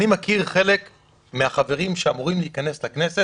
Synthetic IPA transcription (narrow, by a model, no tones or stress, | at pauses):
nimakiʁχe̞lek | meaχave̞ʁimʃeamuʁimliːkane̞slakne̞se